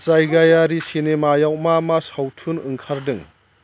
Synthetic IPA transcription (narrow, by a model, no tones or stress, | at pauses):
t͡ʃajɡajaɾisinemajawmamasawtʰunɯŋkʰaɾdɯŋ